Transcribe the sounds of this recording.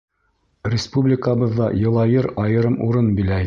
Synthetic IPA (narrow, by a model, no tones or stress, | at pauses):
rʲɪspublʲɪkəbɤ̆ðːɑjɤ̆lˠɑjɤɾɑjɤ̆ɾɤmuɾɤnbilæ